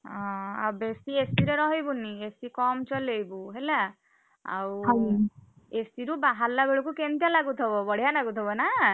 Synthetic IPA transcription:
ɔ̃a̰wbesiesiɾeɾɔɦibuniesikɔmt͡ʃɔlejbuɦela | a̰w | esiɾubaɦalːabeɭɔkukent̪jalaɡut̪ʰɔbɔbɔɽ̤ijanaɡut̪ʰɔbɔna

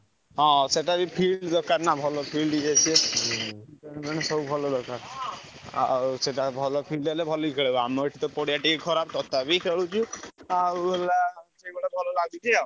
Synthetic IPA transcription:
ɔ̃seʈabipʰiɖd̪ɔkaɾnabʱɔlɔpʰilɖiɡat͡ʃʰe | kɔñbɛñesɔubʱɔlɔd̪ɔkaɾ | a̰seʈabʱɔlɔpʰilɖelebʱɔlikʰeɭebaamɔeʈʰit̪ɔpɔɽiaʈikekʰɔɾab̚t̪ɔt̪ʰabikʰeɭut͡ʃʰuabelasebɔɽebʱɔlɔlaɡut̪ʰia

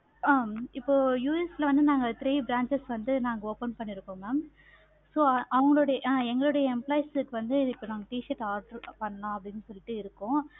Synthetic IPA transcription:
aːɪpːoːjuːɛslɐʋɐnd̪ɯnaːŋɡɐt̪ɾiːbɾaːɲt͡ʃɐsʋɐnd̪ɯnaːŋɡɐoːpɛnpɐɳːɪɾɯkːõːmaːm | soːʔɐʋɐŋɡɐɭoːɽɐjɐʔɛŋɡɐɭoːɽɐjɐɛmplaːɪsɯkːɯʋɐnd̪ɯɪɪpːoːnaːŋɡɐʈiːʃɐʈaːʈɐɾpɐɳːɐnãːɐpːɐɽɪnːɯsɔlːɪʈːɯɪɾɯkːʊ̃ː

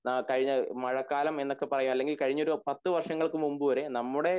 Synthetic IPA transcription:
nɐkɐɻiɲːɐmɐɻɐkːaːlɐme̞nːokːe̞pɐrɐjumɐlːe̞ŋɡilkɐɻiɲːo̞ɾupɐt̪ːɨʋɐrʂɐŋːɐɭkɨmumbɨʋɐɾenɐmːuɽe̞

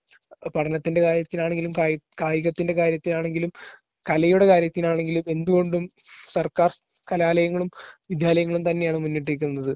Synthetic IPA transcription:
pɐʈʰɐnɐt̪ːinde̞kaːɾjɐt̪ːinaːɳeŋɡilumkajkaːjiɣɐt̪ːinde̞kaːɾjɐt̪ːinaːɳe̞ŋɡilum | kɐlɐjuɽe̞kaːɾjɐt̪ːinaːɳe̞ŋɡilume̞nd̪uɣo̞ɳɖum | sɐrkaːr | kɐlaːlɐjɐŋːɐɭumʋid̪ʱjaːlɐjɐŋːɐɭumt̪ɐnːe̞jaːɳɨmunːiʈ̬ːiɾik̬ʲːunːɐðɨ

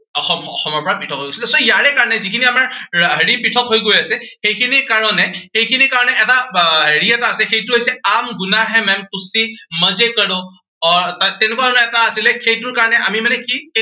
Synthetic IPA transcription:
ɔxɔmɔ̰xɔmɔɹpɔɹapitʰɔkɦojɡojsilɛsɔjaɹɛkaɹɔnɛzikʰiniamaɹɦəɹipitʰɔkɦojɡojasɛxejkʰinikaɹɔnɛxejkʰinikaɹɔnɛʔɛtaɦəɹiɛtaəsɛxejtuɦojsɛamɡʊnaɦɛmɛmkʊsiməzekəɽɔ̃ | ɔɹtatɛnʊkanaɛtaəsilɛxʰejtuɹkaɹɔnɛʔamimanɛki

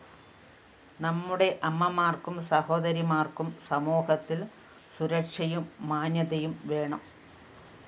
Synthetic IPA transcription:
nɐmːuɽe̞ʔɐmːɐmaːrkumsɐho̞ːd̪ɐɾimaːrkumsɐmoːhɐt̪ːil | suɾɐkʂɐjumːaːnjɐðɐjumʋe̞ːɳɐm

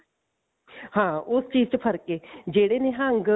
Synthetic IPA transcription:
hãːʊst͡ʃiːzt͡ʃpʰəɾkeːd͡ʒeːɽeːneːɦə̃ŋɡ

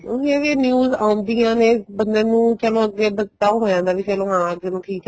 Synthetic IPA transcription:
oɦiəɡeːnjuːzaːʊ̃nd̪iːãːneːbənd̪eːnũːt͡ʃəlõːəɡːeːbət̪ːaːɦoːjãːnd̪aːʋiːt͡ʃəlõːãːəɡeːnũːʈʰiːk

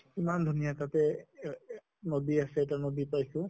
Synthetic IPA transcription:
imand̪ʱunijatatɛ | nodiasɛːtanodipajsʊ̃

